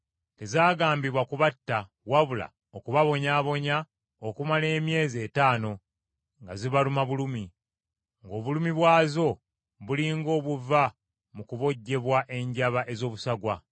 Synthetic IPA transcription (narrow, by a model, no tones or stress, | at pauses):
te̞zaːɡaːmbiβwakuβatːa | waβula̰ | okuβaβo̞ɲaːβo̞ɲa | okumale̞ːmje̞ːze̞taːno̞ | ŋɡaziβalumaβulumi | ŋɡo̞ːβulumiβwaːzo̞ | βuliŋɡo̞ːβuva | mukuβo̞ɟːe̞βwaʔe̞ɲɟaβaʔe̞zo̞ːβusaɡwa